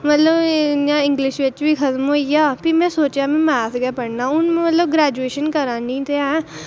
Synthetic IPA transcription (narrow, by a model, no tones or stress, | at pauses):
mət̪ləbãːɪ̃ŋɡlɪʃʋet͡ʃbiːkʰət̪moːijaːpimɛ̃ːsoːt͡ʃjaːmɛ̃ːmɛːsɡɛːpəɽnaːʊnmət̪ləbɡɾɛːd͡ʒueːʃənkəɾãːnĩːt̪eɛ̃